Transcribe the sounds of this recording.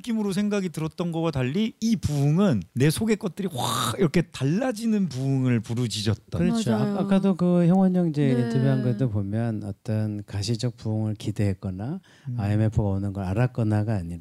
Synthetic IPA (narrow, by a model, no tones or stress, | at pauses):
k͈imɯɾos̬ʰe̞ŋɡaɡitɯɾʌt̚t͈ʌnɡʌwataʎːiːpuːŋɯnːe̞sʰoɡe̞k͈ʌt̚t͈ɯɾiwaiɾʌkʰe̞taɭːad͡ʑinɯnpuɯŋɯɭpuɾud͡ʑid͡ʑʌt̚t͈akɯɾʌt͡ɕʰoaak͈ʰadokɯçjʌŋwʌɲʌŋid͡ʑe̞ːtʰʌbjiaŋɡɯdopomjʌnʌt͈ʌnkaɕʰid͡ʑʌk̚puuŋɯɭkide̞ɦek͈ʌna | aeme̞pʰɯɡaonɯnɡʌɾaɾak͈ʌnaɡaːɲiɾa